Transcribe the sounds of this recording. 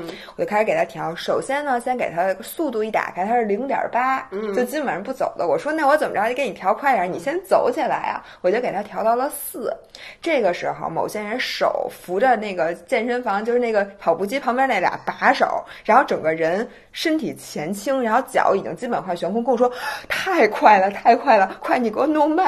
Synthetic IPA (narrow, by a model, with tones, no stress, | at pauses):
wt͡ɕjʊkʰʂɻke˨˩a˥t̪ʰjɑ˧˥ʊʂo˨˩ʊɕjɛ˥nnə˨ɕjɛ˥nke˨˩ɪt̪ʰa˥˧su˥˧t̪u˧i˥˩t̪a̰˨˩kʰa˥˩t̪ʰa˥ʂɻ̩˥˩li˧˥ŋt̪jɑ̰˨˩pa˥t͡ɕo˥˩ʊt͡ɕi˥pə˨˩nʂə˧˥pu˥˩t͡so̰˨˩ʊd̪ə˦wɔ˨˩ʂwɔ˥na˥˩wɔ˧˥t͡sə˨˩mə̰˧˥˧nʰ˨˩jɑ˧˥ʊkʰwa˥˩ɪjni˨˩ɕjɛ˥nt͡so˨˥ʊt͡ɕʰi˨˩la˧˥ɪɐ̰˧ | wɔ˨˩t͡ɕo˥˩ke˨˩t̪ʰa˥t̪ʰjɑ˧˥ʊt̪ɑ˥˩ʊlə˨sɹ̩˥˩ʈ͡ʂɤ˥˩ɡə˩ʂɻ̩˧˥xo̰˧ʊmo˨˩ʊɕjɛ˥ɻə˧˥nʂo̰˨˩˦ʊfu˧˥ʈ͡ʂə˧na˥˩ɪɡə˩t͡ɕjɛ˥˩nʂə˥nfɑ˧˥ŋt͡ɕjo˥˧ʂɻ̩˥˧na˥˩ɡə˩pʰɑ˨˩ʊpu˧˥t͡ɕi˥pʰɑ˧˥ŋpjɛ˥na˥˩t̪ja̰˨˩pa˧˥ʂo̰˨˩˦ʊɻa˧˥nxo˥˩ʊʈ͡ʂɤ˨˩ŋɡə˦ɻə˧˥n | ʂə˥nt̪ʰi˨˩t͡ɕʰjɛ˧˥nt͡ɕʰi˥ŋɻa˧˥n˥xo˥˧˩ʊt͡ɕjɑ̰˧˥ʊi˨˩t͡ɕḭ˧˥ŋt͡ɕi˥pə˨˩nxwa˥˩ɕɥɛ˧˥nkʰʊ˥ŋkɤ˥˩˧ŋʂwɔ˥t̪ʰa˥˩ɪkʰwa˥˩ɪlə˩t̪ʰa˥˧ɪkʰwa˥˩ɪlə˩kʰwa˥˩ɪni˨˩kwɔ˥nʊ˥ŋbɐ˨˩